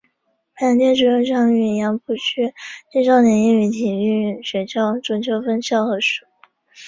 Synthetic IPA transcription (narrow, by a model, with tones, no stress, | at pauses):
pa˥˩˧ŋt͡ɕjɛ˥nʈ͡ʂu˧˥o˥˧ʂɑ˥˩ŋy˧˨˩jɑ˧˥ŋpʰu˥˩t͡ɕʰy˥t͡ɕi˥˧ʂɑ˥˩ʊnjɛ˧˥ni˥˩ny˧˥t̪ʰi˨˩y˥˧˥ɕɥɛ˧˥t͡ɕʰjɑ˥˩ʊʈ͡ʂʊ˧˥˩nt͡ɕʰjo˧˥ʊfə˥˧nɕjɑ˥˧ʊxɤ˧˥ʂu˨˩˦